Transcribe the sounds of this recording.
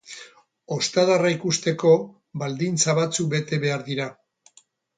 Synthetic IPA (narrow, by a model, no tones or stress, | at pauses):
o̞st̪aðaraikust̪e̞ko̞ | bald̪int͡saβat͡suk̚be̞t̪e̞βe̞aɾðiɾa